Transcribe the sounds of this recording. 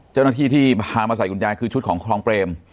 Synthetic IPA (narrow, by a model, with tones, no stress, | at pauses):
t͡ɕa˥˩wnaː˥t̪ʰiː˥˩t̪ʰiː˥˩pʰaː˧maː˧sa˨˩jʔu˧njaː˧nkʰɯː˧t͡ɕʰu˦˥t̪̚kʰːŋkʰɾɔː˧ŋpɾeː˧m